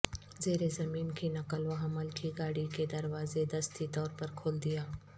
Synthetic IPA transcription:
zeːɾezɐmiːnkinɐkəloɦɐməlkʰiɡaːɽiked̪ɐɾwaːzed̪ɐst̪ʰit̪ɔːɾpɐɾkʰoːld̪ijaː

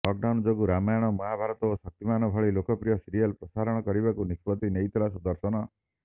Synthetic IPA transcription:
lɔk̚ɖawnd͡ʒoɡuɾamajɔɽ̃ɔmɔɦabʱaɾɔt̪ɔosɔk̚t̪imanɔbʱɔɭilokɔpɾijɔsiɾijalpɾɔsaɾɔɽ̃ɔkɔɾibakunispɔt̪inejt̪ʰɔlasɔd̪ɔɾsɔñɔ

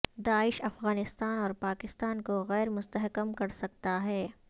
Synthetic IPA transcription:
d̪aːɪʃɐfɣaːnɪst̪aːnɔːɾpaːkɪst̪aːnkoɣɛːɾmʊst̪əɦkəmkɐɾsɐk̚t̪aɦɛː

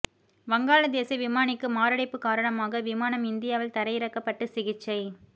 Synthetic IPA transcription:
ʋɐŋɡaːlɐd̪eːsɐʋɪmaːɳɪkːɯmaːɾɐɽɐɪpːɯkaːɾɐɳɐmaːɣɐʋɪmaːnɐmɪnd̪ɪjaːʋɪlt̪ɐɾɐjɪɾɐkːɐpːɐʈːɯsɪɣɪt͡ʃːɐɪ

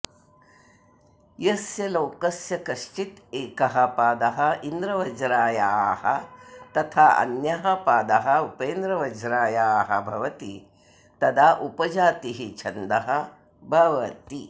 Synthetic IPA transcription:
jɐsjɐlɐwkɐsjɐkɐʃʈit̪eːkɐɦɐpaːd̪ɐɦɐind̪ɾɐʋɐd͡ʒɾaːjaːhɐ̰t̪ɐt̪ʰaːɐ̰njɐɦɐpaːd̪ɐɦɐupeːnd̪ɾɐʋɐd͡ʒɾaːjaːɦɐ̰bʱɐʋɐt̪i | t̪ɐd̪aːʔupɐd͡ʒaːt̪iɦit͡ʃʰɐnd̪ɐɦɐ | bʱɐʋɐt̪i

